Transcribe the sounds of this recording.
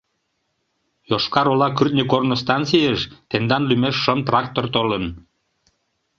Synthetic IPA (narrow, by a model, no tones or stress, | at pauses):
joʃkɑɾolɑkyrt̪̚nʲekornost̪ɑnt͡sijəʃt̪end̪ɑnlymeʃːəmt̪rɑk̚t̪ort̪olən